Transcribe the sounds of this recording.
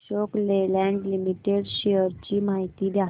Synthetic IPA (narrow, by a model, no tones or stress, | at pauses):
ɕoklelɛ̃ɳɖlimiʈeɽɕeəɾt͡ɕiːmaɦit̪iːd̪ja